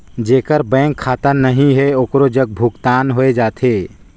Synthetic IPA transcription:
d͡ʒeːkəɾbɛ̃ːŋkʰːaːt̪ənnəɦĩɦɛoːkɾod͡ʒəɡ̚bʱʊkt̪aːnɦoed͡ʒaːt̪ʰeː

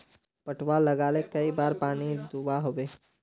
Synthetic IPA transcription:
pɐʈʰwalɐɡaːlekɐibaːɾpaːnid̪ubaɦoːbeː

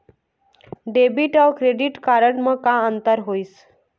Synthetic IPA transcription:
ɖebiʈɔʋkɾeɖiʈkaɾəɳməkãənt̪əɾɦois

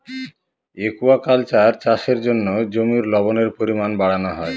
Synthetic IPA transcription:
ekuakalt͡ɕaɾt͡ɕaʃeɾd͡ʑonːod͡ʑomiɾlɔboneɾpoɾimanbaɽanoɦɔe

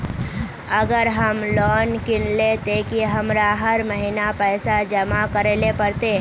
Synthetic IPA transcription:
əɡəɾɦəmlɔnkinlet̪ekiɦəmɾaɦəɾməɦinapəjsad͡ʒəmakəɾelepəɾt̪e

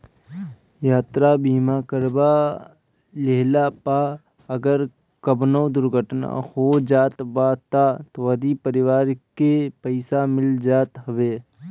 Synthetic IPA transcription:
jaːt̪ɾabiːmaːkəɾba | leɦlapaː | ɐɡəɾ | kəbnowd̪ʊɾɡʱəʈna̰hod͡ʒaːt̪baːt̪at̪oʋɐd̪ipəɾɪʋaːɾkepəɪsamɪld͡ʒaːt̪ɦəʋeː

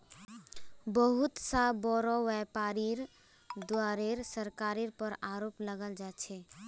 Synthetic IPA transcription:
bəɦʊt̪sabɔɾɔwɛpaɾiɾ | d̪waːɾeɾsəɾkaːɾiɾpəɾaɾoːpləɡəld͡ʒaːt͡ʃʰɛ

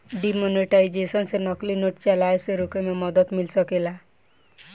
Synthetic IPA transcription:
ɖimoniʈajd͡ʒesɔnsenɔklinoʈt͡ʃalajseɾukememɔd̪ɔt̪milsɔkela

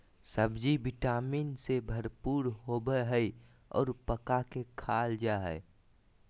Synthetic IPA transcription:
səbd͡ʒibɪʈaːmiːnsebʱəɾpuːɾɦobəɦəi | ɔ̰ːɾpəkakekʰaːld͡ʒaɦɛ̰

